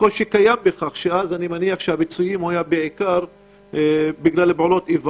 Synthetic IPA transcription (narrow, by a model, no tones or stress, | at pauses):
koʃekajambeχaχʃeazanimaniaχʃehabit͡sujimhajabeʕikaʁ | biɡlalebʕolo̞t̪iva